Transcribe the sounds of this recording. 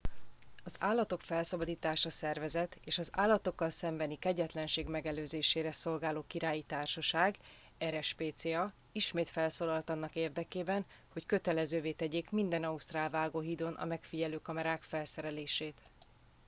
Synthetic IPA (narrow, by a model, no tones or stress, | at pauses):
ɒzaːlːɒt̪o̞kfɛlsɒbɒd̪iːt̪aːʃɒsɛrvɛzɛt̪eːʃɒza̰ːlːɒt̪o̞kːɒlsɛmbɛnikɛɟɛt̪lɛnʃeːɡmɛɡɛløːzeːʃeːɾɛso̞lɡaːloːkiɾaːjit̪aːrʃɒʃaːɡ | ɛɾɛʃpeːt̪seːɒ | iʃmeːt̪fɛlsoːlɒlt̪ɒnːɒkeːrd̪ɛkeːbɛn | ho̞ckø̞t̪ɛlɛzøːveːt̪ɛɟeːkmind̪ɛnɒust̪raːlvaːɡoːɦiːd̪o̞nʔɒ̰mɛkfiɟɛløːkɒmɛɾaːkfɛlsɛɾɛleːʃeːt̪